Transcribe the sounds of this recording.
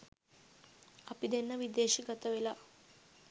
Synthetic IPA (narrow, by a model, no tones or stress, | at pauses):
ɐpid̪enːəʋid̪eːʃiɡət̪əʋela